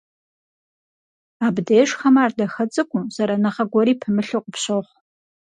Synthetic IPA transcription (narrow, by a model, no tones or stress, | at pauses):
abdejʂxɐmaːrdɐxɐt͡sʼɨkʷʼʊz̥ɐɾanɐʁɐɡʷɔɾiːpʰɨmɨɬɨqʷʼʊpɕoχʷ